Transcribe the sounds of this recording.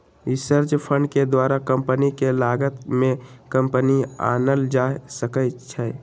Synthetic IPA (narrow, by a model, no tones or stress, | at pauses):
ɪsəɾd͡ʒpʰə̃ɳɖked̪waːɾakə̃mpənikelaːɡət̪mẽkə̃mpənia̰ːnəld͡ʒaːsəkət͡ʃʰɛ